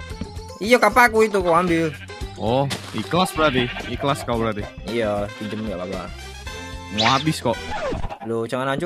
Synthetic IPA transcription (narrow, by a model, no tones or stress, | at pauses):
ijokapakuit̪ukoambɪl | ɔhiklasbəɾat̪iiklaskabəɾat̪i | ijət̪ud͡ʒəmŋɡababa̰ | ŋoabɪskɔʔlot͡ʃaŋanat͡ʃu